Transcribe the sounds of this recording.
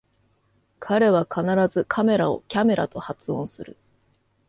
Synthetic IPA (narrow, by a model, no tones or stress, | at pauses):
kʰaɾe̞β̞akʰanaɾazɨkʰame̞ɾao̞̰kʲame̞ɾa̰t̪o̞hat͡sɨõ̞sɨɾɯ̰